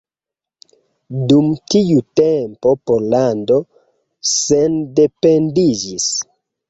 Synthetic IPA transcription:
dumtiutempo̞poɾlando̞ | sende̞pe̞ndid͡ʒis

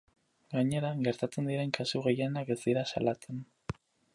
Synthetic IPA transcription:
ɡaɲe̞ɾaɡe̞ɾt̪at͡se̞nd̪iɾe̞ŋkasuɣejenake̞zd̪iɾasa̰lat͡se̞n

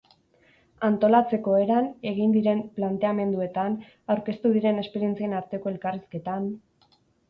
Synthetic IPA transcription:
ant̪o̞lat͡se̞ko̞e̞ɾane̞ɣ̞ind̪iɾe̞mplant̪e̞ame̞nd̪ue̞t̪an | awɾke̞st̪uðiɾe̞ne̞spe̞ɾie̞nt͡sienaɾt̪e̞ko̞e̞lkariske̞t̪an

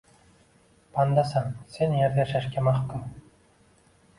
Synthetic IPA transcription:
pɑnd̪ɑsɑŋsʲenjæɾd̪ʲeʃæʃkʲemɑχt̪ɤ̆m

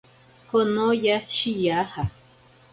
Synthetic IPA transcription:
konõjaʃijaha

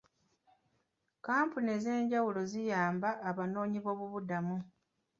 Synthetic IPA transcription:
kaːmpune̞ze̞ːɲɟawulo̞zijaːmbaʔːβano̞ːɲiβo̞ːβuβudamu

